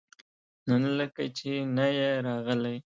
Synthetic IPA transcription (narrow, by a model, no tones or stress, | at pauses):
nənləkat͡ʃenajeɾɑɣəlaj